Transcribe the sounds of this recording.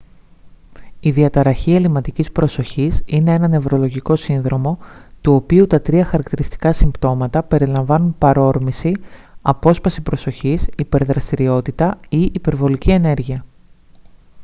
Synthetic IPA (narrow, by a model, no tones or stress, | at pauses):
iðiɐt̪ɐɾɐçie̞limɐt̪icispɾo̞so̞çisine̞e̞nɐne̞vɾo̞lo̞ʝiko̞sinðɾo̞mo̞t̪uo̞piut̪ɐt̪ɾiɐxɐɾɐkt̪iɾist̪i̥kɐsimbt̪o̞mɐt̪ɐpe̞ɾilɐɱvɐnunpɐɾo̞ɾmisiɐpo̞spɐsipɾo̞so̞çisipe̞ɾðɾɐst̪iɾio̞t̪it̪ɐiʔipe̞ɾvo̞licie̞ne̞ɾʝiɐ